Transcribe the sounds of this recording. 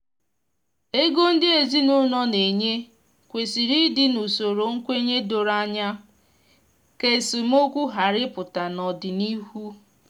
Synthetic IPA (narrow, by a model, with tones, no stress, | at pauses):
e˦ɡo˦n̩˦dɪ˦e˨zi˦nʊ˦nɔ˦ne˨ɲe˦ | kʷe˨si˨ɾi˦dɪ˦nu˨so˨ɾo˨ŋ̩˦kʷe˦ɲe˦do˨ɾa˦ɲa˦ | ke˨si˨m˦o˦kʷu˦ɦa˨ɾɪ˦pʊ˨ta˨nɔ˨dɪ˨ni˦hu˦